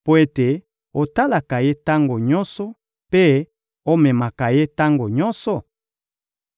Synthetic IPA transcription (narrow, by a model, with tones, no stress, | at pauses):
po˦e˦te˨ | o˨ta˦la˨ka˨je˦ta˦ŋɡo˨ɲɔ˦nsɔ˦ | pe˦ | o˦mɛ˨ma˨ka˨je˦ta˦ŋɡo˨ɲɔ˦nsɔ˨